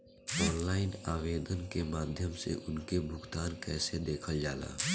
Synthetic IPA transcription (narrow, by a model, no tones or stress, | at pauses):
ɔːnlaːɪnaːʋeːd̪ənkemaːd̪ʱjəmsḛʔʊnkebʱʊɡt̪aːnkɛːsed̪eːkʰəld͡ʒaːla̰ː